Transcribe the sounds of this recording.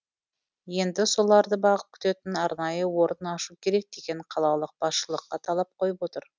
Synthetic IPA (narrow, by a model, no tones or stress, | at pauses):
je̞nd̪ɪso̞lˠɑɾd̪əbɑʁəp̚kʲʰʏ̥t̪e̞t̪ɪnɑɾnɑjəwo̞ɾənɑʃukʲʰe̞ɾe̞k̚d̪e̞ɡʲe̞ɴqʰɑlˠɑlˠəq̚b̥ɑsʃəlˠəqːɑt̪ʰɑlˠɑp̚qʰo̞jəpwo̞t̪əɾ